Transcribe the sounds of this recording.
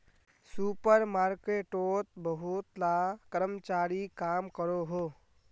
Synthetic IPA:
supəɾmaːɾkeːʈot̪bəɦut̪lakəɾəmt͡ʃaːɾikaːmkəɾoɦoː

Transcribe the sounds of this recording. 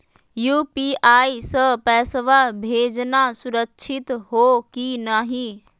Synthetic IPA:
juːpiaːisəpɛːsʋabʱeːd͡ʒnasʊɾəkʃʰɪt̪ɦoːkinaːɦĩ

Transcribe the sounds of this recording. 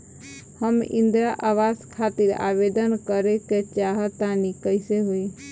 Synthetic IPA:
həmḭ̃nd̪ɾaʔaʋaskʰat̪iɾa̰bed̪ənkəɾeket͡ʃaɦət̪anikəɪseɦoi

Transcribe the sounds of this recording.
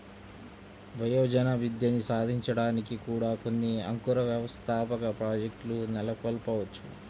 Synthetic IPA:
ʋɐjoːd͡ʒɐnɐʋid̪jɐnisaːd̪ʱiɲt͡ʃɐɽaːnikikuːɽaːko̞nːiɐ̰ŋkuɾɐʋjɐʋɐst̪ʰaːpɐkɐpɾaːd͡ʒek̚ʈlunɛlɐkolpɐʋɐt͡ʃːu

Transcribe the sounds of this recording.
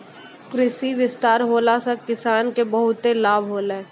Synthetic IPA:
kɾɪsiʋɪst̪aːɾɦoːlasakɪsaːnkebɐɦʊt̪elaːbʱɦoːle

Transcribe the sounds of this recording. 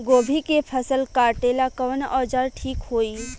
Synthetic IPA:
ɡoːbʱikepʰəsəlkaːɾʈeːlakəʋənɔːd͡ʒaːɾʈʰiːkɦoːiː

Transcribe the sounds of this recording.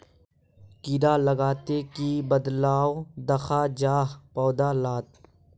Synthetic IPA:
kiɾaləɡaːt̪ekibəd̪laːod̪ɐxad͡ʒaːɦpɔːd̪alaːt̪

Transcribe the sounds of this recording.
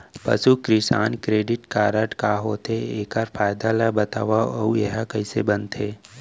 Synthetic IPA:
pɐ̰sukɾɪsa̰ːnkɾeːɖɪʈkaːɾəʈkaːɦoːt̪eeːkaɾpʰaːjd̪alabət̪a̰ːʋaɐujeɦakəɪsebənt̪ʰeː

